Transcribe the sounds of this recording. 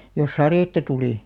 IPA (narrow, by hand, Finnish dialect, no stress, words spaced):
jos sɑreˑtːɑ tuliˑ